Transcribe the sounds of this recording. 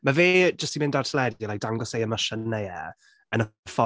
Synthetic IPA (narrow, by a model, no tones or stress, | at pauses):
maveːd͡ʒəstimɪ̃ndartʰəlɛdɔlajk̚d̥aŋɡɔsejəməʃənɛjɛ | ənəfɔ